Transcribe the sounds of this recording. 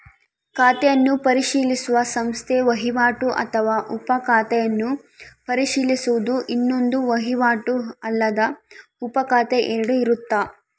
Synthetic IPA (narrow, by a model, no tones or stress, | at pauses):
kaːt̪ɛjɐnːupɐɾiʃiːlisuʋɐsɐmst̪ʰeʋɐɦiʋaːʈuʔɐ̰t̪ʰɐʋaːʔupɐkaːt̪ɛjɐnːu | pɐɾiʃiːlisuʋud̪uʔinːo̞nd̪uʋɐɦiʋaːʈuɐlːɐd̪ɐupɐkaːt̪eʔeɾɐɽuiɾut̪ːaː